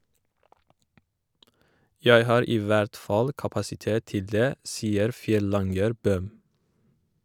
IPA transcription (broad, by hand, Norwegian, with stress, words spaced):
ˈjæɪ ˈhɑːɾ ˈiː ˈʋæɾt ˈfɑl kɑpɑsɪˈteːt ˈtɪl ˈdeː ˈsiːəɾ ˈfjɛˌlɑŋɡəɾ ˈbøːm